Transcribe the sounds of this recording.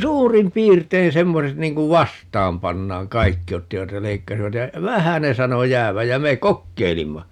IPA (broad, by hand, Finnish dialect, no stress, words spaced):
suːrim piːrtein semːoset niːŋ kuʋ ʋɑstɑːm pɑnːɑːŋ kɑikːi otːiʋɑt jɑ leikːɑsiʋɑt jɑ ʋæhæ ne sɑno jæːʋæj jæ me kokːeilimːɑ